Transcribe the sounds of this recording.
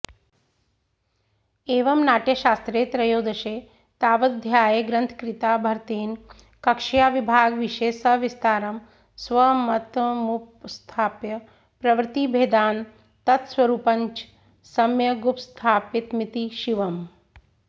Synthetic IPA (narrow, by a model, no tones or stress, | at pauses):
eːʋɐmnaːʈjɐʃaːst̪ɾeːt̪ɾɐjoːd̪ɐʃeː | t̪aːʋɐd̪ʱjaːjeɡɾɐnt̪ʰkɾit̪aːbʱɐɾt̪eːn | kɐkʂijaːʋibʱaːɡʋiʃeːsɐʋist̪aːɾɐm | sʋɐmɐt̪mupst̪ʰaːpjɐ | pɾɐʋɾt̪ibʱeːd̪aːn | t̪ɐt̪sʋɐɾuːpɐɲt͡ʃ | sɐmjɐɡupst̪ʰaːpit̪mit̪iʃiʋɐm